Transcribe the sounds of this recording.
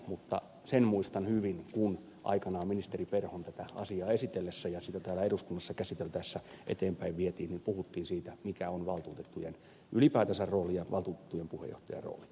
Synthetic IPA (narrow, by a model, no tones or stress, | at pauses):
mut̪ːɑ̰ | senmuist̪ɑnhyʋinkun | ʔɑ̰ikɑnɑːminist̪eriperhont̪æt̪æɑ̰siɑːesit̪elːesːæjɑsit̪æt̪æːlæeɾuskunːɑsːɑkæsit̪elt̪æsːæʔḛt̪eːmpæiʋʋiet̪iːnnimpuhut̪ːiːnsiːt̪æmikæonʋɑlt̪uːt̪et̪ːujen | ʔylipæːt̪æsærroːlijɑʋɑlt̪uːt̪e̥t̪ːujempuhḛjo̰ht̪ɑjɑ̰rro̰ːli